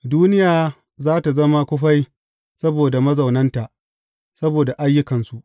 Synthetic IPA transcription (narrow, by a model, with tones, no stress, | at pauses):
duː˦nɪ˦jaː˨ | zaː˦ta˨zɐ˦ma˦kʷʊ˦ɸa˦j | sɐ˦boː˨da˨mɐ˦zɐ˨wnɐ˦nta˨ʔ | sɐ˦boː˨da˨ʔa˦jːʊ˦kɐ˨nsu˨ʔ